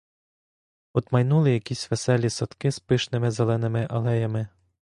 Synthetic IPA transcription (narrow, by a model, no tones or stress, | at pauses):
ɔd̪mɐjnulˠɪjɐkʲisʲʋesɛlʲːisɔt̪kɪspɪʃnɪmɪzelˠɛnɪmɪʔɐlˠɛjɐmɪ